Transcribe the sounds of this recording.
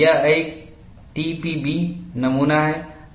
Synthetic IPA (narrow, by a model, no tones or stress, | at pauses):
aẽː | ʈipibinɐmuːnaɦe